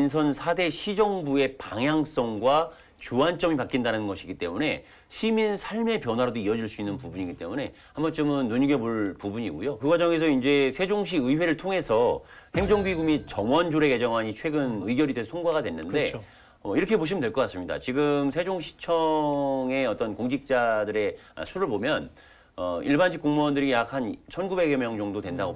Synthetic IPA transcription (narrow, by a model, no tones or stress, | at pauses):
insʰʌnsʰade̞ɕʰid͡ʑʌŋbue̞paŋɦjaŋs͈ʌŋɡwa | t͡ɕuant͡ɕ͈ʌmipak͈indanɯnɡʌɕʰiɡit͈e̞mune̞ | ɕʰiminsʰaɭme̞pjʌnwaɾadoiʌd͡ʑiɭs͈uinːɯnpubuɲiɡit͈e̞mune̞ | hambʌnt͡ɕ͈ɯmɯnːuɲiɡe̞boɭpubuɲiɡujokɯɡwad͡ʑʌŋe̞s̬ʰʌind͡ʑe̞sʰe̞d͡ʑoŋɕ̬ʰiɯiwe̞ɾɯɭtʰoŋe̞sʰʌhe̞ŋd͡ʑʌŋɡuiɡumit͡ɕʌŋwʌnd͡ʑoɾe̞ke̞d͡ʑʌŋɦaɲit͡ɕʰwe̞ɡɯnɯiɡjʌɾidwesʰʌtʰoŋɡwaɡadwe̞nːɯnde̞ | ʌiɾʌkʰe̞poɕ̬ʰimɯndwe̞ɭk͈ʌk͈as͈ɯmɲida̰t͡ɕiɡɯmsʰed͡ʑoŋɕʰi̥t͡ɕʰʌŋe̞ʌt͈ʌnkoŋd͡ʑik̚t͡ɕ͈adɯɾe̞ | a̰sʰuɾɯɭpomjʌn | ʌiɭbanɕʰik͈oŋmondɯɾijak̚ʰant͡ɕʰʌnɡube̞ɡemjʌŋd͡ʑʌŋdodwe̞ndaɡo